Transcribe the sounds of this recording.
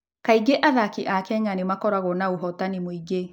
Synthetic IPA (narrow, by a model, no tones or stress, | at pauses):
kaiɡeʔaðakiʔakɛɲanemakɔɾaɣɔnaoɦɔtanimoiɡe